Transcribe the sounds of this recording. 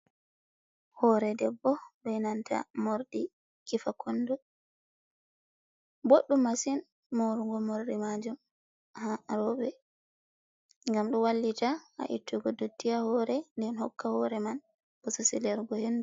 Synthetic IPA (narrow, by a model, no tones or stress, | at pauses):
hɔɾɛdɛbːɔɗɛjnantʰa̰moɾɗi | kifakʰɔndɔ | boɗːumːasin | moɾuɡɔmoɾɗimad͡ʒum | haɾɔbɛ | ŋɡamɗɔwalːitaa̰ʔḭtːuɡɔdutːijahɔɾɛndɛnhɔkːahɔɾɛman | bɔsɔsilɛɾɡɔhendu